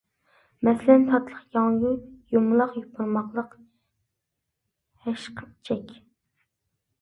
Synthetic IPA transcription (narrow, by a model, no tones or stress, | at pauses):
mɛslɛnt̪ʰɑt̪lˠəχqjɑŋjʊjumlˠɑqjupʰʊɾmɑqlˠəq | hɛʃqʰət͡ʃʰɛkʲ